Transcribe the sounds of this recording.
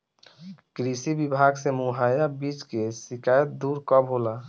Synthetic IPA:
kɾisibibʱaɡsemuɦajabit͡ʃkesikajət̪̚d̪uɾkɔbɦola

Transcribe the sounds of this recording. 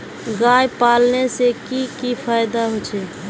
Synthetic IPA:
ɡajpaːlnesekikipʰaːjd̪aɦot͡ʃʰɛ

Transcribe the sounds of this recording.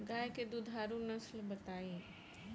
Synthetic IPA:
ɡaːjked̪ud̪ʱaːɾunɐslbɐt̪aːẽː

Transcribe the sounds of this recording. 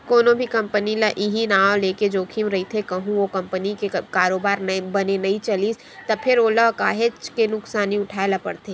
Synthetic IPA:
koːnõbʱikɐ̃mpənilɐʔɪɦinaːõleːked͡ʒoːkʰimɾɐɦit̪ʰekɐɦũokɐ̃mpənikekaːɾoːbaːɾnɐbɐnenɐĩt͡ʃɐliːs | t̪ɐpʰɪɾoːlɐkaːɦet͡ʃkenʊksaːniʊʈʰaːelapɐ̰ɽt̪eː

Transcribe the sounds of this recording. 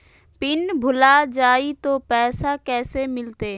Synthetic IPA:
pɪnbʱʊlad͡ʒaːit̪opɛːsakɛːsemɪlt̪eː

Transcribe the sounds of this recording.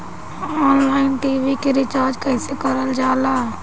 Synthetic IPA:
ɔːnlaːɪnʈiːʋikeɾɪt͡ʃaːɾd͡ʒkəɪsekəɾəld͡ʒaːlaː

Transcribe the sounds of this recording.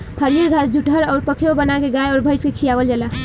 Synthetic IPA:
pʰəɾiɾɡʱasd͡ʒʱuʈʰəɾawɾpəkʰeobənakeɡajɔɾbʱəjskekʰijaɡold͡ʒɛla

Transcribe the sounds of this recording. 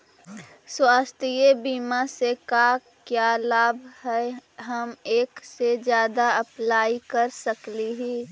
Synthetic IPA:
swaːst̪ʰijebiːmaseka | kjaːlaːbʱɦɛɦəmeːksed͡ʒjaːd̪aɐplaːikəɾsəkliɦiː

